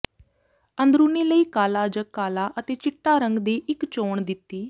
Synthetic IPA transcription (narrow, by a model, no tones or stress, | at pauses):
ənd̪ɾũːneːləiːkaːlaːd͡ʒəkːaːlaːʔət̪eːt͡ʃɪʈːaːɾəŋɡd̪eːʔɪkt͡ʃoːɳd̪ɪt̪ːiː